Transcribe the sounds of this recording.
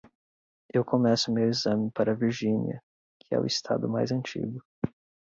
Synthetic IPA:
ewkomɛsʊmewizɐ̃mɪpaɾɐviɾʒĩnḭɐ̰ | kʰɪɛ̰ʊ̰ist̪ʰa̰d̪ʊma̰jzɐ̃nt͡ʃḭɡʊ

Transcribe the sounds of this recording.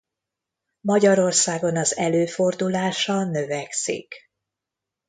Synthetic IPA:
mɒɟɒɾo̞rsaːɡo̞nɒzɛløːfo̞rd̪ulaːʃɒnøvɛksḭk

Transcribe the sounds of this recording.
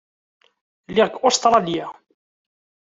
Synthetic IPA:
lɪʁɡost̪ɾˤɑlja

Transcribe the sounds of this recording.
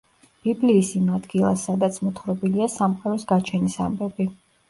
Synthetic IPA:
b̥ibliːsimad̪ɡilˠa̰sːad̪at̪sʰmɔt̪ʰχɾɔbiliasamqʼaɾɔsɡat͡ʃʰɛnisa̰mbɛbi

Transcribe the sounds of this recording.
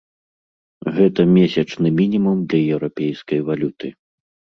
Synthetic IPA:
ɣɛt̪ɐmʲesʲɐt͡ʂnɨmʲinʲimumd̪lʲɐjɛwɾapʲɛjskɐjvalʲut̪ɨ

